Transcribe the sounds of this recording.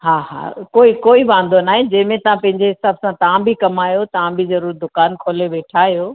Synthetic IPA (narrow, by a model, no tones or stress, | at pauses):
ɦaːɦa̰ːkoːikoːiʋãːn̆d̪onaːɦẽd͡ʑɐ̃ːmẽt̪ɐʋ̤ãpɐ̃ɦɪɲd͡ʑeɦɪsaːbsãt̪ɐʋ̤ãbʱikɐmaːjot̪ɐʋ̤ãbʱizɐɾuːɾd̪ʊkaːnkʰoːleʋeːʈʰaːɦijoː